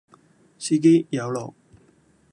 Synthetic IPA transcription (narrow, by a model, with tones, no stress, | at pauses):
si˥k̬e˥jjɐ˨˧wlɔ̰ː˨˩k̚